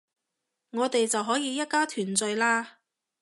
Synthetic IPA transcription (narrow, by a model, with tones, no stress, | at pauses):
ŋɔː˨˧t̪e˨jt͡sɐ˨wɦɔː˨˥jiː˧jɐ˥t̚kaː˥t̪ʰyː˨˩nt͡sɵ˧ɥlaː˥